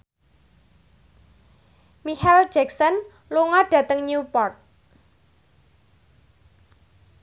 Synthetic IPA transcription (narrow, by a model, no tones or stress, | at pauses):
mihɛld͡ʒɛksɔn | luŋaɖ̥a̤t̪əŋɲupɔrt̪̚